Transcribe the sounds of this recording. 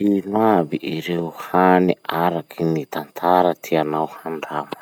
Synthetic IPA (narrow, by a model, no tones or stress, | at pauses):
inabiʔiɾewuhaniʔaɾakʰinit̪ant̪ʰaɾat̪ʰianawhaɳɖ͡ʐamə̥